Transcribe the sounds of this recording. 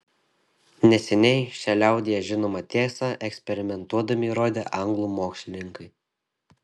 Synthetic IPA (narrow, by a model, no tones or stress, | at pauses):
nʲɛsʲɛnʲɛɪʃʲɛlʲɛˑʊd̪ʲejɛʒʲɪnoːmɐt̪ʲeːsɑʔɛksʲpʲɛɾʲɪmʲɛnt̪uɔd̪ɐmʲɪɾoːd̪ʲeːʔɐŋɡlˠuːmoːksʲlʲɪnʲɪŋkɐɪ